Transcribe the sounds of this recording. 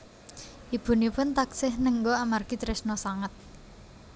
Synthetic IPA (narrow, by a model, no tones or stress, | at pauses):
ʔib̥ṳnipʊnt̪aksɪhnəŋɡoamarɡ̥it̪ɾɛsnɔsaŋət̪̚